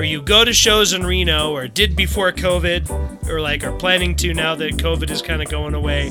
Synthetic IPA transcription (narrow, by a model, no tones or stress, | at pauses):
ə˞jɨɡoʊɾɨʃoʊzɨ̃nɹinoʊə˞dɪd̚bɨfɔɹkʰoʊvɪdʔə˞laɪkə˞pʰl̥æ̃nɪ̃ŋtʰʉnaʊðɨt̚kʰoʊvɨɾɨz̥kʰãɪ̃ndɨɡoʊɪ̃ŋəweɪ